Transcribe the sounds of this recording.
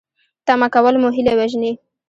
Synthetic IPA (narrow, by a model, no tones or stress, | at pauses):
t̪amakawəlmuɦilewaʒni